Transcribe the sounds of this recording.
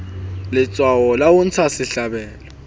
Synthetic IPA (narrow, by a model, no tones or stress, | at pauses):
lɪt͡sʼwawɔlawʊn̩t͡sʰasɪɬabɛːlɔ